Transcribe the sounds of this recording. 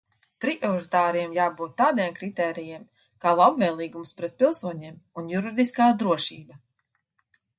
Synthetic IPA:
pɾiʔɔɾit̪aːɾijɛmjaːbuːt̪ːaːd̪iɛmkɾit̪ɛːɾijem | kaːlˠabvɛːlˠiːɡumspɾɛt̪̚pilˠsuɔɲeːmunjuɾid̪iskaːd̪ɾuɔʃiːba

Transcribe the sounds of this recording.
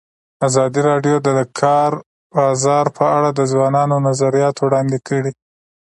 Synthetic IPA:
azɑd̪iɾɑɖjod̪əəkʰɑɾ | bɑzɑɾpʰəaɽad̪əzwɑnɑnonazaɾijɑt̪wɽɑnd̪ekəɽi

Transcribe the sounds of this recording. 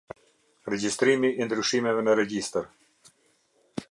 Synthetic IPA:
ɾɛd͡ʒist̪ɾimiʔːnd̪ɾyʃimɛvɛnəɾɛɡist̪əɾ

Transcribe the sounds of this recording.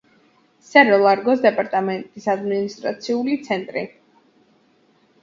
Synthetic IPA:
sɛɾɔlˠaɾɡɔsd̪ɛpʼaɾt̪ʼamɛnt̪ʼisad̪minist̪ʼɾa̰t̪sʰiulit̪sʰɛnt̪ʼɾi

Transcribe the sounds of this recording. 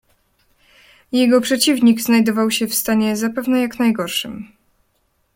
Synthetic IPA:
jɛɡɔpʂɛt͡ɕivɲiɡznajd̪ɔvawɕɛfst̪aɲɛzapɛvnɛjaknajɡɔɾʂɨ̰m

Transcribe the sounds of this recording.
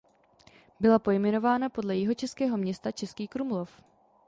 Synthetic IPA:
bɪlapo̞jmɛno̞vaːnapo̞dlɛjɪɦo̞t͡ʃɛskɛːɦo̞mɲɛst̪at͡ʃɛskiːkɾumlo̞f

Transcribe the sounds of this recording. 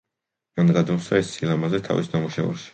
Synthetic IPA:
manɡ̪ad̪umsaɛsːilˠamazɛt̪ʰa̰visnamuʃɛṵɾʃi̥

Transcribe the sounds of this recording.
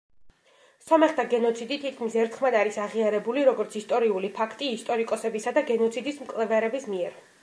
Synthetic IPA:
sɔmɛχt̪ʰaɡɛnɔt̪sʰid̪it̪ʰit̪̚ʰkʰmisɛɾt̪ʰχmad̪aɾisaʁiaɾɛbuliɾɔɡɔɾt̪sʰist̪ʼɔɾiulipʰakʰt̪ʼiːst̪ʼɔɾikʼɔsɛbisad̪aɡɛnɔt̪sʰid̪ismkʼlˠɛvɛɾɛbismiɛɾ

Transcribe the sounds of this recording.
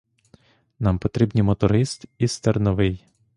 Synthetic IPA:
nɑmpɔt̪ɾʲibnʲimɔt̪ɔɾɪst̪ist̪ernɔʋɪj

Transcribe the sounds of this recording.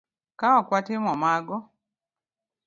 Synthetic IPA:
kawakwatɪmɔmaɡɔ

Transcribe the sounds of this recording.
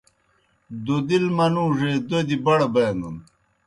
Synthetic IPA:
d̪od̪ilmɐnũːʐed̪od̪ibɐɽɐbɐːnd̪un

